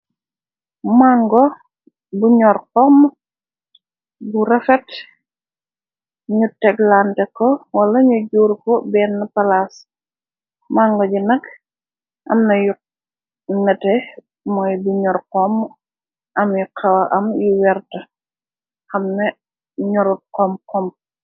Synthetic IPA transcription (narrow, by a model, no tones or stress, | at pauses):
maŋɡɔ | buɲɔɾqɔm | buɾɐfɛt | ɲutɛɡlantɛkɔwɐlɐɲuɟuːɾkɔbɛːnːɐpɐlas | maŋɡɔɟunɐk | ʔɐ̰mnɐju | nɐtɛ | mɔjbuɲɔɾkɔmː | ʔɐmjukʰɐwɐʔɐmjuwɛrtɐ | xɐmnɛ | ɲɔɾut̚qɔmkɔm